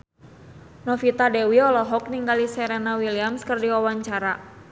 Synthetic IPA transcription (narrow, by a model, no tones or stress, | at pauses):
nɔfit̪adɛwiɔlɔɦɔk̚niŋɡalisɛɾɛnawiliamskərdiwawaɲt͡ʃaɾa